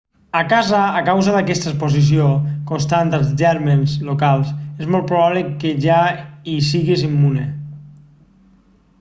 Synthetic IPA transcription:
akazaːkawzəðəkɛst̪əspozis̬iokonst̪ant̪əlˠzʒɛɾmenzlokalˠsezmɔlˠt̪pɾuβaβləkeʒaisiɣizimːune

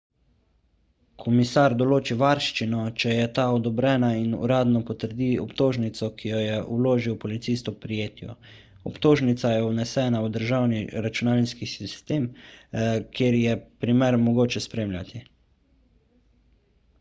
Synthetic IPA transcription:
kʰɔmisaːɾd̪ɔloːt͡ʃiʋaɾʃt͡ʃinɔt͡ʃɛjɛt̪aɔd̪ɔbɾɛːnainṵɾaːd̪nɔpɔt̪əɾd̪iɔpt̪oːʒnit̪sɔkijɔjɛʔuloːʒiwpɔlit̪sist̪ɔpɾijeːt̪jɔ̰ | ɔpt̪oːʒnit̪sajɛunɛsɛːnawd̪əɾʒawniɾat͡ʃunaːlnskisist̪eːm | kʰjeːɾjɛpɾimɛɾmɔɡoːt͡ʃɛspɾeːmlʲjʲat̪i

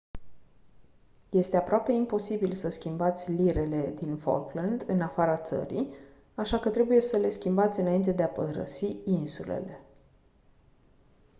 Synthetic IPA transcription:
je̞st̪e̞apɾoape̞impo̞sibilsəskʲimbat̪sʲliɾe̞le̞d̪info̞̰lkland̪ɨnafaɾat̪sə̰ɾḭ | aʃakət̪ɾe̞buje̞səle̞skʲimbat̪sʲɨnaint̪e̞d̪eapəɾə̰siinsulḛle̞

